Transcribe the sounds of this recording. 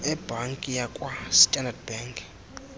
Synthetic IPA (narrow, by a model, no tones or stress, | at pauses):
ɛbʱaŋkʼijakʼwastʼandad̚baŋkʰʼ